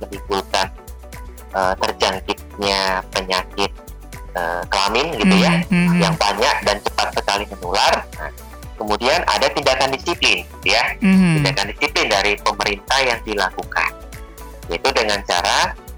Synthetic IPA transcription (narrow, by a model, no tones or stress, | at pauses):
mənibulkan | ʔət̪ərd͡ʒaŋkɪt̪̚ɲapəɲakɪt̪̚ | əkəlamɪnɡit̪ujajaŋbaɲak̚dant͡ʃəpat̪̚səkalimənularna̰ | kəmudianʔa̰dat̪indakandisiplɪnɡit̪ujat̪indakandisiplɪndaɾipəməɾint̪ahjaŋdilakuka̰n | jait̪udəŋant͡ʃa̰ɾa